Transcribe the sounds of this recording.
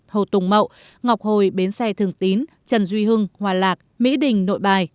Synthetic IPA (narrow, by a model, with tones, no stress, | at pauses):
t̪ʰo˨˩t̪ʊ˨˩ŋ͡mmə̰˧˨w | ŋɔ˨˩wk͡p̚ho˨˩jɓe˨˦nsɛ˧t̪ʰɨ˨˩əŋt̪i˨˦n | t͡ɕə˨˩nzwi˧ɦɨ˧ŋhwaː˨˩laː˨˩k̚mḭ˧˥ɗï˨˩ŋ̟no̰˧˨jɓaː˨˩j